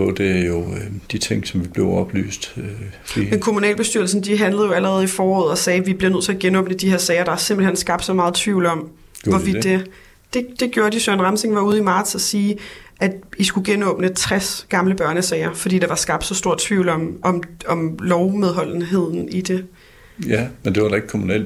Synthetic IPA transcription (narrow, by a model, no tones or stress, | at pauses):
ɔd̥eæjo̝d̥it͡sʰe̝ŋ̰sɒ̽mʋib̥le̝ʊɒ̽b̥ly̰ːsd̥ | ḭmenkʰo̝munɛ̰ːlb̥e̝sd̥yɐ̰l̩sn̩d̥iɦænləð̩ˠjo̝æləʁɛːð̩ˠifɒːɒ̰ːð̩ˠɒ̽sɛːʋib̥liɐnøð̰ˠt͡sʰe̝æɡ̥enɔ̽ːb̥nəd̥iheɐsɛːɪɐɾ̥ɑæɐse̝mb̥l̩hen̰sɡ̥ɑ̈b̥̚d̥sɒ̽mɑ̈ːð̞̩ˠt͡sʰʋiʊlɒ̽m | ʋɒʋid̥e | d̥e̝d̥e̝ɡ̥joːɐd̥isøɐænʁɑ̈mseŋʋɑ̈uːð̞̩ˠimɑ̈ːd̥sæsiːʔæd̥isɡ̥uɡ̥enɔ̽ːb̥nət͡sʰʁasɡ̥ɑ̈mləb̥ɶɐnəsɛːɪɐfdḭːd̥ɑ̈ʋɑ̈sɡ̥ɑ̈b̥d̥sɒ̽sd̥o̝ɐ̰dt͡sʰʋiʊl̩ɒ̽mɒ̽mɒ̽mlɒʊmeðˠɦɒ̽l̰n̩ɦe̝ð̞̰ˠn̩id̥e̝ | æmend̥e̝ʋɑɾ̥ɑe̝ɡ̥kʰomunɛ̰l